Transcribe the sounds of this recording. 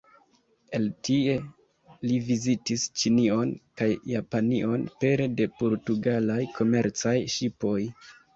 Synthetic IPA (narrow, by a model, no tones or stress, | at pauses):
e̞ltie̞ | livizitist͡ʃinio̞nkajːapaniʔo̞npe̞ɾede̞po̞ɾtuɡalajkʰo̞me̞ɾt͡sajʃipo̞j